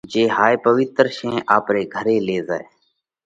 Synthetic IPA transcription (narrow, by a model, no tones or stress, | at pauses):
d͡ʒeːɦaːepəʋɪt̪ɾʃẽːʔaːpɾeːɡʱəɾeːleːza̰ːeː